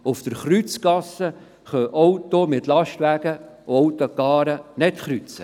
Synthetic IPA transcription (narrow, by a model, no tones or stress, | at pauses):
ʊfd̥̪əɾχɾyt͡skɑsːə | χœʔɔwt̪omɪt̪lɑʃtʋæɡ̥əoɔwt̪okɑːɾənɛt̪χɾyt͡sə